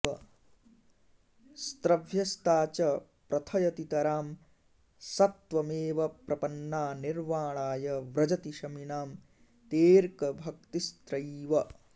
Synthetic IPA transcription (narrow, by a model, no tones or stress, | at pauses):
ɐ | st̪ɾɐʋʱjɐst̪aːt͡ʃɐ | pɾɐt̪ʰɐjɐt̪it̪ɐɾaːm | sɐt̪ʋɐmeːʋɐpɾɐpɐnːaːniɾʋaːɭaːjɐʋɾɐd͡ʒɐt̪iʃɐminaːm | t̪eːɾkɐbʱɐk̚t̪ist̪ɾɐʋɐ